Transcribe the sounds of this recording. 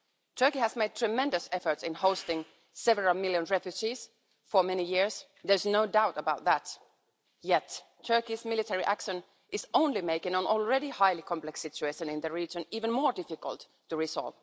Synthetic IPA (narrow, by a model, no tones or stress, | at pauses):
tʰɜ˞kihæzmeɪd̚tʰɹ̥ɨmɛ̃ndɨsɛfə˞tsɪ̃nhoʊstɪ̃ŋ | sɛvəɹəl̩ˠmɪlˠjə̃nɹɛfjʉd͡ʒiz̥ | fə˞mɛnijɪɹs | ðə˞znoʊdaʊtəbaʊt̪̚ðæt | jɛtʰː | ɜ˞kizmɪlˠɪtʰɛɹiʔækʃə̃n | ʔɪz̥õʊ̃nlimeɪkɪ̃ŋə̃nɔl̩ˠɹɛɾihaɪlikʰɑ̃mplɛksɪt͡ʃʉeɪʃə̃nɪ̃nðɨɹid͡ʒɨ̃niːvɨ̃nmɔːɹdɪfɪkə̰lˠtʰː | ɨɹɪsɑ̰lˠv̥